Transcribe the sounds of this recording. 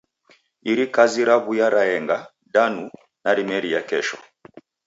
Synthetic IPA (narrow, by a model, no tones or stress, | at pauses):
iɾikaziɾaβujaɾaɛŋɡa | danu | naɾimɛɾijakɛʃɔ